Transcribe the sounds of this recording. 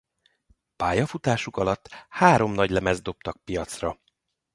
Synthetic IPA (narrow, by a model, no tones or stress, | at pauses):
paːjɒfut̪aːʃukɒlɒt̪ːhaːɾo̞mnɒɟlɛmɛzd̪o̞p̚t̪ɒk̚pijɒt̪srɒ